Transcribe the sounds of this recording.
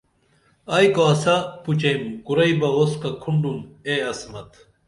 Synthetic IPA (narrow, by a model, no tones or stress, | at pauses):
ɐjkoɐsɐput͡ɕɐjmɡuɾɐibɐoskɐkʰuɳɖumeɐsmɐt̪